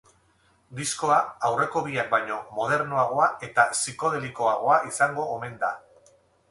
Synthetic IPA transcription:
d̪isko̞aawre̞ko̞βiak̚bajɲo̞mo̞ð̞e̞ɾnoaɣ̞o̞ae̞t̪asiko̞ð̞e̞liko̞aɣ̞o̞aʔisaŋɡo̞ːme̞nd̪a̰

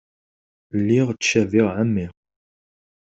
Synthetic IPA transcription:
lːiʁt͡sːʃæviʁʕamːiʁ

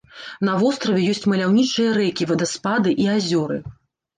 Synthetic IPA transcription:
nɐvɔst̪ɾɐvʲɛjɔsʲt͡sʲmɐlʲawnʲit͡ʂɨjɐɾɛkʲivɐd̪ɐspad̪ɨʔiazʲɔɾɨ

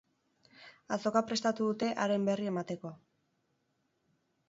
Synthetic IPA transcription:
aso̞kapɾe̞st̪at̪uðut̪e̞ʔaɾe̞mbe̞rie̞mat̪e̞ko̞

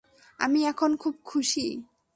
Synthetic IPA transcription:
a̰miɛkʰonkʰub̚kʰuʃi

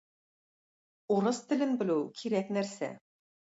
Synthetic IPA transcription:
uɾɤst̪ɘ̆lɘnbɘ̆lɘwkʰiɾæknæɾsæ̰

